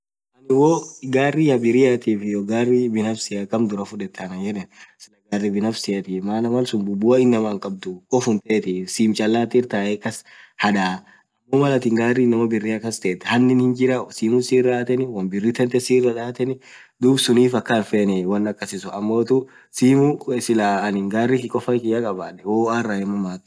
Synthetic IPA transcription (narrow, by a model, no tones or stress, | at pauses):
ʔɐnɪwoɡaːrːɪjɐbɪɾɪjat̪iːfɪjɔɡaːrːɪbɪnɐfsɪjɐkɐmd̪ʊɾɐfʊᶑɛt̪ʰːɐnɐjɛnɛsɪlɐɡaːrːɪbɪnɐfsɪjɐt̪iːmaːnɐmɐlsʊnbʊbʊɐɪnːɐmaːŋkʼɐb̚d̪ʊkʼɔfʊnt̪eːt̪isiːmt͡ʃʼɐlːaːt̪iɾt̪aːɛkːɐshɐᶑaː | ɐmːoːmɐlɐt̪ɪŋɡaːrːinːɐmɐbɪrːiɐkːɐst̪eːt̪ːɛhɐnːɪnhɪnd͡ʒɪɾɐsiːmʊsiːrːaːt̪ɛnɪwɐnbɪrːɪt̪ɛnt̪ɛsiːrːɐᶑaːt̪ɛnɪ | d̪uːbsʊniːfɐkːɐnfeːnɛwɐnːɐkːɐsɪsʊɐmːoːt̪ʊ | siːmusɪlanɪŋɡaːrːɪkɪkʼɔfɐkɪjɐkʼɐbaːᶑɛwoːaraɛmːɐmaːt̪